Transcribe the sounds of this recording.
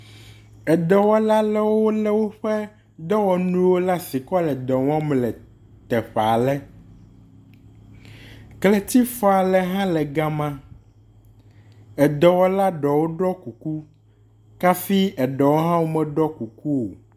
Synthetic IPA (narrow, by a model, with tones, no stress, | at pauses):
ɛ˨d̪ɛ˨wɔ˦la˦lɛ˦wwo˦lɛ˦wo˦ɸɛ˦ | d̪ɔ˦wɔ˦nũ˦wo˦la˦si˨kɔ˦lɛ˨d̪ɔ˨wɔ̃˦mlɛ˨ | t̪ɛ˨ɸa˨lɛ˦ | klɛ˨t̪i˦fɔ˨a˨lɛ˨ɦã˦lɛ˨ɡa˦mã˦ | ɛ˨d̪ɔ˨wɔ˦la˦ɖɔ˨wo˦ɖɾɔ˦ku˨ku˦ | ka˦fi˦ɛ˨ɖɔ˨wo˦ɦã˦wo˦mɛ˨ɖɔ˦ku˨ku˦wo˨